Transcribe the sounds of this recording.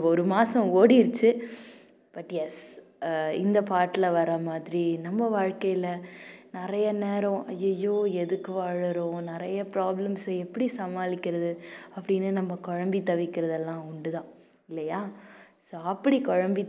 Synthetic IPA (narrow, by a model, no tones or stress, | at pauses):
ɔɾɯmaːsɐ̃oːɽiɪɾɯt͡ʃːɯ | b̥ɐʈjɛs | ɪ̰nd̪ɐpaːʈːɪlɐʋɐɾɐmaːðɪɾinɐmːɐʋaːɻkɐjɪlɐnɪɾɐjɐneːɾɐ̃ʔɐjːɐjːoːɛðɯkːɯʋaːɻɯɾõnɪɾɐjɐpɾaːblɐmsɐɛpːɐɽisɐmaːlɪkːɪɾɐðɯɐpːɐɽɪnːɯnɐmːɐkɔɻɐmbit̪ɐʋɪkːɪɾɐðɛlːãːʊɳɖɯðãː | ɪlːɐjaːsoːɐpːɐɽikɔɻɐmbi